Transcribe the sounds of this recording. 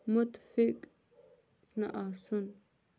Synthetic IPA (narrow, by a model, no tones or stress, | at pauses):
mʊt̪fɪkʼ | naʔasʊn